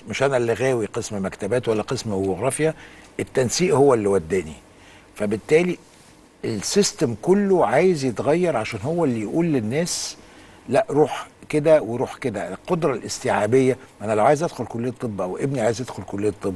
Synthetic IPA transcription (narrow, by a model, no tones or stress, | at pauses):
meʃʔænælːiɣæːwiqesmmækt̪æbæːt̪wælːæqesmbioɣɾˤɑːfjæʔet̪ːænsiːʔhowːælːiwæd̪ːæːni | fæbɪt̪ːæːli | elsist̪æmkolːoʕaːjezjet̪ɣæjːɑɾˤʕaʃæːnhowːælːijʔuːlːenːæːs | læʔɾˤuːħked̪æweɾˤuːħked̪ælqod̪ɾˤɑlʔɪst̪iʕaːbejːæʔænælæʕaːjezʔæd̪̥xolkolːeːt̪ˤːebːʔæwʔebniʕaːjezʔæd̪̥xolkolːejt̪ˤːebː